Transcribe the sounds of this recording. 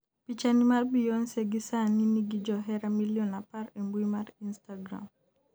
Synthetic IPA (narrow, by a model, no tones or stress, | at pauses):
pit͡ʃanimalbijɔnsɛɡisaniniɡid͡ʒɔɦɛɾamilijɔnapaɾɛmbwimaɾinstaɡɾa̰m